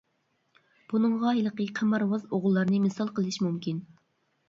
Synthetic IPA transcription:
b̥unɨŋʁɑilˠəqəqʰæmɑɾwɑzoʁlˠːɑɾnɨmɪsɑlˠqəlˠɨʃmumkʲin

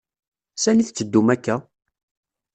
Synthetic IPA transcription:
sæniθt͡sːəd̪ːumækːæ

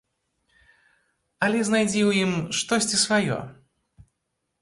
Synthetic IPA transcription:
ɐlʲɛznajd͡zʲiwjimʂt̪ɔsʲt͡sʲisvajɔ̰

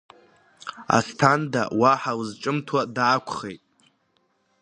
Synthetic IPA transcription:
a̰stʰanda̰waħawzʈ͡ʂʼɨmtʰwadaːkʷʰχejtʼ

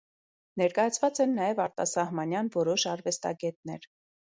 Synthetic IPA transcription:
nɛɾkɑjɑt͡sʰvɑt͡sɛnːɑjɛvɑɾt̪ɑ̰sɑhmɑnjɑnvɔɾɔʃɑɾvɛst̪ɑ̰ɡɛt̪nɛɾ

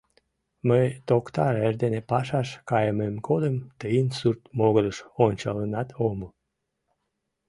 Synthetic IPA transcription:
məjt̪okt̪ɑɾerd̪enepɑʃɑʃkɑjəmemkʰod̪əmt̪əinsurt̪moɣələʃonʲt͡ɕɑlənɑt̪ʰomu

